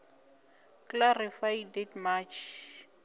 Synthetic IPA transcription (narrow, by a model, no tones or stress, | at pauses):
klarifajdɛtmat͡ʃʰ